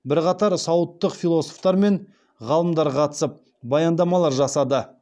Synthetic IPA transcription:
bɪɾqɑt̪ɑɾsɑwət̪ːəqfilˠo̞so̞ft̪ɑɾme̞ɴ | ʁɑlˠəmd̪ɑɾqʰɑt̪ə̥səp̚ | bɑjɑnd̪ɑmɑlˠɑɾʒɑsɑd̪ə

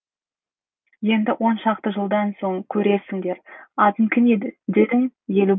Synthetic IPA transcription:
je̞nd̪ɪwʔo̞nʃɑq̚t̪əʒəlˠd̪ɑnso̞ɴkʲʰɵɾe̞sɪŋd̪e̞ɾɑt̪əmkʲʰɪned̪ɪd̪e̞d̪ɪŋje̞lu

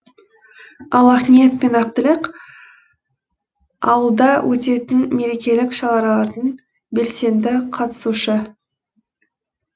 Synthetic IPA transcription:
ɑlˠɑχnijet̪̚pe̞nɑqt̪əlɪq | ɑwəlˠd̪ɑwʔɵt̪e̞t̪ɪnme̞ɾe̞kʲe̞lɪkʃɑlɑɾɑlˠɑɾd̪əɴ | be̞lse̞nd̪ɪqʰɑt̪ə̥suʃə

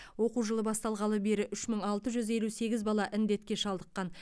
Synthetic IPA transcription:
wo̞quʒəlˠəbɑst̪ɑlˠʁɑlˠəbe̞ɾɪʔʏʃməɴɑlˠt̪əʒʏze̞luse̞ɡʲɪzbɑlˠɑʔɪnd̪e̞t̪kʲe̞ʃɑlˠd̪əqːɑn

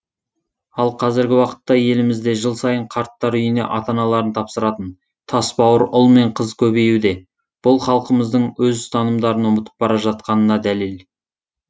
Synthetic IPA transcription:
ɑlˠqʰɑzɪɾɡʲɪwɑqə̥t̪ːɑje̞lɪmɪzd̪e̞ʒəlˠsɑjəɴqʰɑɾt̪ːɑɾʏjɪne̞̰ʔɑt̪ɑnɑlˠɑɾənt̪ʰɑpsəɾɑt̪ən | t̪ʰɑsbɑwəɾʔʊlˠme̞ɴqʰəzkʲʰɵβe̞jud̪e̞ | b̥ʊlˠχɑlˠqəməzd̪əɴwɵzst̪ʰɑnəmd̪ɑɾənwʊmət̪ə̥p̚bɑɾɑʒɑt̪̚qɑnənɑd̪ælel

